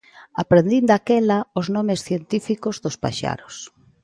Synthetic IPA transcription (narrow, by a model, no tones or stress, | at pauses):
apɾend̪ind̪akɛlaoznɔmesθjent̪ifikozðospa̰ʃa̰ɾos